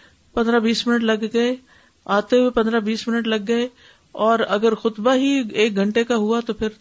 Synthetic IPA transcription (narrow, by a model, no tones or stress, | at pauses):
pɐ̃nd̪ɾabiːsmɪnəʈlɐɡɡɐe | aːt̪eɦuepɐ̃nd̪ɾabiːsmɪnəʈlɐɡːɐe | ɔːɾɐɡəɾxʊt̪baɦieːk̚ɡʱɐ̃ɳʈekaɦʊat̪opʰɪɾ